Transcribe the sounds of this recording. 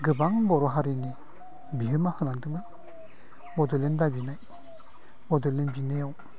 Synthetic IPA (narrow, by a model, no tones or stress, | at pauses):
ɡɯbaŋbɔɾɔɦaɾini | biɦɯmahɯnaŋdɯmɯj | bɔdɔlendabinaj | bɔdɔlenbinɯjaw